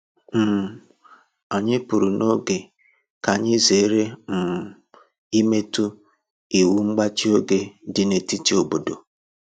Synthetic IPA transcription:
m̩˦˨ | a˨ɲɪ˦pu˨ɾu˨no˦ɡe˨ | ka˨ɲɪ˦ze˨˦ɾe˦m̩˨ | i˦me˦tu˦ | i˨wu˦ŋ͡m̩˦ɡ͡ba˦t͡ʃi˦o˦ɡe˦dɪ˨ne˨ti˦ti˦o˦bo˨do̰˨

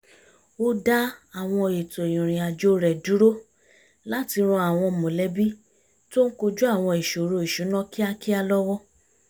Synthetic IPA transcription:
o˧da˦a˨w̃ɔ̃˧e˨to˨e˨jĩ˨ɾ̃ĩ˨a˨d͡ʒo˦ɾɛ˨du˨˦ɾo˦ | la˦ti˧ɾ̃ũ˧a˨w̃ɔ̃˧˨mõ˨lɛ˨˦bi˦ | to˦ŋ̩˦ko˧d͡ʒu˦a˦˨w̃ɔ̃˧i˨ʃo˨ɾo˧i˨ʃũ˨˦nɔ̃˦ki˦a˧ki˦a˧lɔ˦wɔ˦

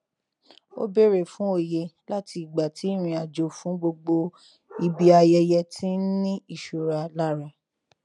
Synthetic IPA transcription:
o̰˦be˦ɾe˦˨fũ˨˦o˦˨je˧la˦ti˧i˨ɡ͡ba˨tʰi˨˦ɾ̃ĩ˧a˨d͡ʒo˨fũ˨˦ɡ͡bo˧ɡ͡bo˧ | i˧bi˦a˧jɛ˧jɛ˧tʰĩ˦nĩ˦i˦˨ʃo˨ɾa˨˧la˦ɾa˧˨

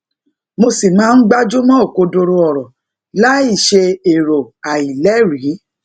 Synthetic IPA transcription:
mo˧si˨mãː˨˦n̩˦ɡ͡ba˦d͡ʒu˦mɔ̃˦o˦˨ko˧do˧ɾo˧ɔ˨ɾɔ˨ | la˦i˦˨ʃe˧e˨ɾo˨a˨i˨lɛ˨˦ɾi˨˦

